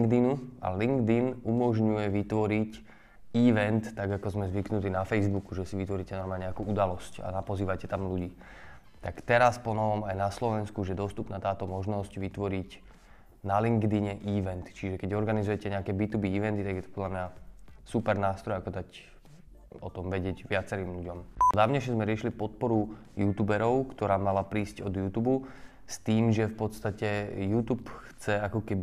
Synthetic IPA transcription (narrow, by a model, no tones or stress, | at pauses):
ŋɡd̪inua̰liŋɡd̪inumɔʒɲujɛʋit̪ʋɔɾic | iʋɛnt̪ːaɡakɔzmɛzʋiknut̪inafɛjzbukuʒɛsiʋit̪ʋɔɾiːcɛnɔɾmaːɲɛakuʔud̪alɔsca̰napɔziːʋacɛt̪amluɟiː | t̪akt̪ɛɾaspɔnɔʋɔmajnaslɔʋɛnskuʒɛd̪ɔst̪upnaːt̪aːt̪ɔmɔʒnɔscʋit̪ʋɔɾic | naliŋɡd̪iɲɛʔiʋɛnt̪t͡ʃiʒɛkɛɟɔɾɡanizujɛcɛɲɛakɛːbit̪ubiiʋɛnt̪it̪aɡjɛt̪ɔ̥pɔd̪lamɲasupɛɾnaːst̪ɾɔjakɔd̪ac | ɔt̪ɔmʋɛɟɪɛɟʋɪat͡sɛɾiːmʎuɟɔmd̪aːʋɲɛʃɲɛzmɛɾɪɛʃilipɔt̪̚pɔɾu | juːt̪uːbɛɾɔʊkt̪ɔɾaːmalapɾiːscɔd̪juːt̪ubu | st̪iːmʒɛfpɔt̪st̪acɛjuːt̪upxt͡sɛakɔkɛbi